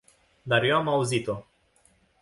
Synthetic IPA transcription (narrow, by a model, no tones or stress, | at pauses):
d̪arjoamauzit̪o̞